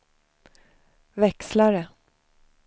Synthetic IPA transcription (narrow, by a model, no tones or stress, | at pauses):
vɛkslaɾə